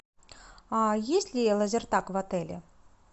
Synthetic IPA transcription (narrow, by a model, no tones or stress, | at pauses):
ajesʲtʲlʲɪlˠəzʲɪrt̪akvat̪ɛlʲɪ̰